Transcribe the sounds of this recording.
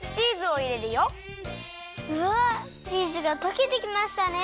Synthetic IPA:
t͡ɕiːzɨoiɾeɾɯjo | ɯa | ɾiːzɨɡat̪o̞kʲid̪ekʲimaɕi̥t̪ane

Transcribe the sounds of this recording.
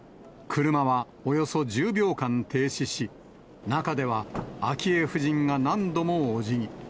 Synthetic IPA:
kʰɯ̟ɾɯ̟maβa | o̞jo̞so̞d͡ʑɨːbʲjo̞ːkãnt̪e̞ːɕiɕi | nakad̪e̞βaːkʲie̞ɸɯ̟ʑĩŋɡanãnd̪o̞mo̞ːʑiɲ̟i

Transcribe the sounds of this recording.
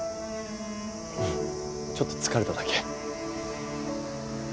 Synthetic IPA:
t͡ɕo̞t̪ːo̞̥t͡sɨ̥kaɾe̞t̪ad̪ake̥

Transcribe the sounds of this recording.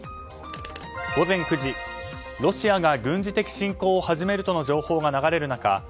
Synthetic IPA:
ɡ̥o̞zẽ̞ŋkɯ̟ʑi | ɾo̞ɕiaɡaɡɯ̟̃ɲd͡ʑit̪e̞kʲi̥ɕĩŋko̞ːhaʑime̞ɾɯ̟t̪o̞nod͡ʑo̞ːho̞ːɡanaɡaɾe̞ɾɯ̟naka̰

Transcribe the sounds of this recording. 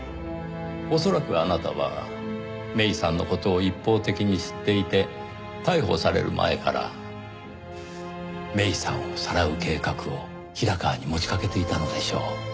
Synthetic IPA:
o̞so̞ɾakɯ̟anat̪a̰βa̰ | me̞isãnːoko̞t̪o̞ːipːo̞ːt̪e̞kʲiɲ̟iɕi̥t̪ːe̞it̪e̞ | t̪aiɦo̞̰saɾe̞̰ɾɯ̟̰mʔa̰e̞̰ka̰ɾa̰ | me̞isã̰ɰ̃osaɾaɯ̟ke̞ːkakɯ̟o̞ | çiɾakaːɲ̟imo̞t͡ɕi̥kake̞t̪e̞it̪ano̞d̪e̞ɕo̞̰ː

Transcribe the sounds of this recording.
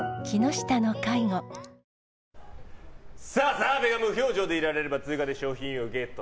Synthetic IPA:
kʲino̞ɕi̥t̪anokaiŋo | saːsaːbeɡamɯ̟çʲo̞ːd͡ʑo̞ːd̪e̞iɾaɾe̞ɾebat͡sɨːkad̪e̞ɕo̞ːçĩɰ̃oɯ̟ɡe̞t̪ːo

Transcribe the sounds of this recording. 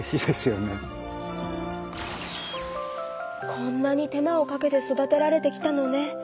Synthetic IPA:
ɕid̪̥e̞sɨjo̞ne | kʰõ̞nːaɲ̟it̪e̞mao̞kake̞t̪e̞so̞d̪at̪e̞ɾaɾe̞t̪e̞kʲi̥t̪ano̞ne̞

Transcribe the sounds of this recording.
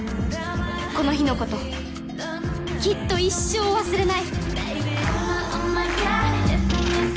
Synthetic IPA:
ko̞no̞çino̞ko̞t̪o̞ | kʲit̪ːo̞iɕːo̞ːβasɨɾe̞nai

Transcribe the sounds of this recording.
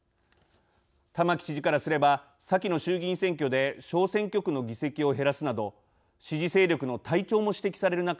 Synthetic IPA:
t̪amakʲi̥t͡ɕiʑikaɾasɨɾe̞ba | sakʲino̞ɕɨːɡʲĩɰ̃sẽ̞ŋkʲo̞d̪e̞ɕo̞ːsẽ̞ŋkʲo̞kɯ̟no̞ɡʲise̞kʲio̞ɦe̞ɾasɨnad̪o̞ | ɕiʑise̞ːɾʲo̞kɯ̟no̞t̪ʰait͡ɕo̞ːmo̞ɕi̥t̪e̞kʲi̥saɾe̞ɾɯ̟nak

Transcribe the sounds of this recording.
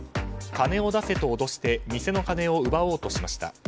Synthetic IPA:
kane̞o̞d̪ase̞t̪o̞ːd̪o̞ɕi̥t̪e̞mʲise̞no̞kane̞o̞ɯ̟bao̞ːt̪o̞ɕimaɕi̥t̪a̰

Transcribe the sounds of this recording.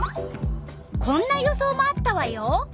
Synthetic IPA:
kʰõ̞nːajo̞so̞ːmaːt̪ːaβajo

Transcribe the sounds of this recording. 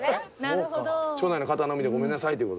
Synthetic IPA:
ot͡ɕonainokat̪anomid̪eɡo̞mẽ̞nːasait̪ejɯ̟kot̪

